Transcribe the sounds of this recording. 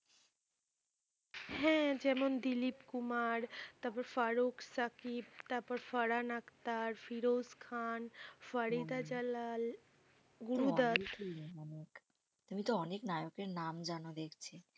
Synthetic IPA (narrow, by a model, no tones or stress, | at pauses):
hɛ̃d͡ʑɛmond̪ilipkumaɾt̪apɔɾfaɾukʰsəkipt̪apəɾfəɾanakt̪aɾfiɾozkʰanfəɾid̪ad͡ʑəlal | ɡuɾud̪aluiɔnek | t̪umit̪oɔneknajokeɾnamd͡ʑanod̪ekʰt͡ɕʰe